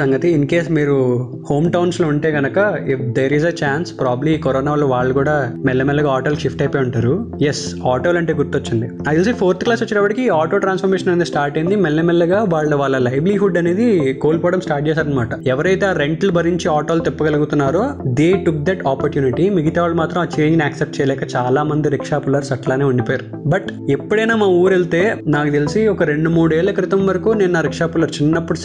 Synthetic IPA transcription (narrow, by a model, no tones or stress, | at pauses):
sɐŋɡɐt̪iːnkeːsmiːɾu | ho̞ːmʈɐwnslouɳʈe̞ːɡɐnɐkɐifd̪eːɾizet͡ʃaːnspɾaːblikɔɾoːnaːʋɐlɐʋaːɭːɐkuːɽaːmɛlːemelːɐɡaaːʈɐlʃifʈɐjpeːuɳʈaːɾujes | aːʈoːlɐɳʈe̞ːɡuɾt̪ːot͡ʃːɐnd̪iaːilsipʰoːɾt̪ʰklaːsot͡ʃːinɐpːɐʈikiaːʈoːʈɾaːnsfʰpɐɾmeːʃɐnɐneːd̪isʈaːɾʈɐjind̪imɛlːemelːɐɡaːʋaːɭːɐɐʋaːɭːɐlɐjbliɦuɖːɐne̞ːd̪ikoːlpoːɽɐmsʈaːɾʈ̚d͡ʒɛːsaːɾɐnɐmaːʈɐɛʋɐɾɐjt̪eaːɾe̞ɳʈlubʱɐɾiɲt͡ʃiaːʈoːlut̪ɛpːɐɡɐlɐɡut̪unːaːɾoːd̪e̞ːʈuk̚d̪ɛʈaːpɐɾʈjuːniʈimiɡit̪aːʋlumaːt̪ɾɐmaːt͡ʃe̞ːɲd͡ʒiniaːksep̚ʈ̚t͡ʃɛjɐlɛːkɐt͡ʃaːlaːmɐnd̪iɾikʂaːpulɐɾsɐʈlaːneːuɳɖipoːjaːu | bɐʈepːuɽɐjnaːmaːuːɾelt̪e̞ːnaːkut̪elisiɔkɐɾe̞ɳɖumuːɽeːɭːɐkɐɾit̪ɐmʋɐɾɐkuːneːnnaːɾikʂaːpulɐɾt͡ʃinːɐpːuɽus